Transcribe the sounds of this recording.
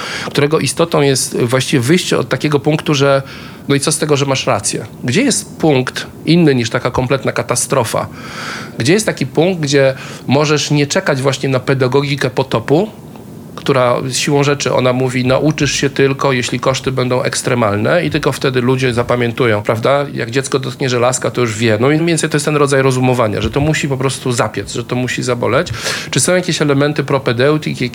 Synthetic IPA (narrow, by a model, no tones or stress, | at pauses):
kt̪uɾɛɡɔʔist̪ɔt̪ɔ̃w̃jɛst̪vwaɕt͡ɕivʲɛvɘjɕt͡ɕɛɔ̰t̪ːakʲɛɡɔpũŋkt̪uʐɛ | nɔit̪ɔst̪ɛɡɔʐɛmaʂɾat̪sʲjɛ̰ɡd͡ʑɛjɛst̪puŋkt̪ | inːɘɲiʂt̪akakɔmplɛt̪nakat̪ast̪ɾɔfa̰ | ɡd͡ʑɛjɛst̪t̪ːakʲipuŋɡd̪̚ɡd͡ʑɛmɔʐɛʂɲɛt͡ʂɛkad͡ʑvwaɕɲɛnapɛd̪aɡɔɡʲikɛpɔt̪ɔpu | kt̪uɾajsɕiwɔ̃w̃ʐɛt͡ʂɘʔɔ̰namuvʲinaʔut͡ʂɘʂɕɛt̪ɘlkɔjeɕlʲikɔʂt̪ɘbɛnd̪ɔ̃w̃ʔɛ̰kst̪ɾɛmalnɛit̪ɘlkɔft̪ɛd̪ɘlud͡ʑɛzapamʲjɛnt̪ujɔ̃w̃pɾavd̪aja̰ɡd͡ʑɛt̪skɔd̪ɔt̪̚kɲɛʐɛlaskat̪ɔjuʐvʲjɛnɔjɛmvʲɛnt̪sɛjt̪ɔjest̪ɛnɾɔd̪zajɾɔzumɔvaɲa̰ʐɛt̪ɔmuɕipɔpɾɔst̪uzapʲjad̪zʐɛt̪ɔmuɕizabɔ̰lɛt͡ɕt͡ʂɘsɔ̃w̃jakʲeɕɛlɛmɛnt̪ɘpɾɔpɛd̪ɛwt̪ʲika